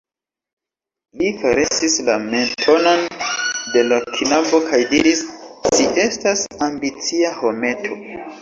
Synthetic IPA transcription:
lifaɾesislame̞ntʰo̞nonde̞lakʰinabo̞kʰajdiɾisːiʔe̞stasambit͡siaho̞me̞tʰo̞

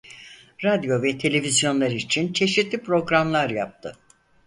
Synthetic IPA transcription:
ɾad̪jo̞vɛt̪ʰe̞lʲe̞vizjo̞nlˠaɾit͡ʃʰint͡ʃʰe̞ʃit̪lʲipɾo̞ɡɾamlˠaɾja̰p̚t̪ʰɯ

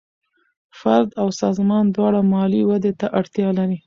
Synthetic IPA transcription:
faɾd̪awsɑzmɑnd̪wɑɽamɑliwad̪et̪aʔaɽt̪jɑlaɾi

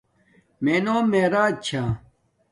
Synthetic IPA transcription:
menoːmeːɾaːd͡ʑ̚t͡ɕʰaː

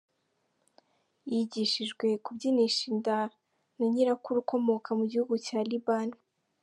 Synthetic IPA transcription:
jiɟiʃiʒɡwe̞kubɟiniʃinda | naɲiɾakuɾuko̞mo̞kʰamuɟihuɡucaːlibani

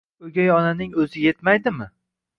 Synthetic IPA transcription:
ɵɡʲajɒnanɪŋɵzɪje̞t̪majd̪ɪmɪ

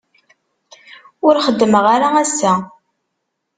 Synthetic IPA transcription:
ʊɾχəd̪ːməʁaɾaæsːæ

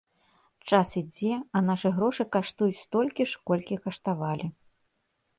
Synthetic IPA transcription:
t͡ʂasid͡zʲɛɐnaʂɨɣɾɔʂɨkaʂt̪ujt͡sʲst̪ɔlʲkʲiʂkɔlʲkʲikɐʂt̪avalʲi

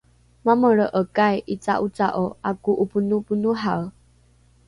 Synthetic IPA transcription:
maməɾəʔəkajʔit͡sa̰ʔut͡saʔoakuʔupunupunuɦaw

